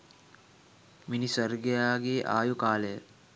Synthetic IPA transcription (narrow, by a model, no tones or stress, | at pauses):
minisərɡejaːɡeːʔa̰ːjukaːlejə